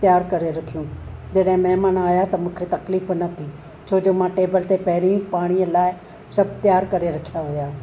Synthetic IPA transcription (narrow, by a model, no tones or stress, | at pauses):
t̪jaːɾkɐɾeɾɐkʰijũːd͡ʒɐɗɦɪ̃mɐɦmaːnaːjat̪ɐmũːkʰet̪ɐkliːfnɐt̪ʰi | t͡ʃʰoːd͡ʒoːmãʈeːbəlt̪epɐɦɪɽĩpaːɽ̃iəlaːɪ | sɐb̚ʱt̪jaːɾkɐɾeɾɐkʰjaɦojaː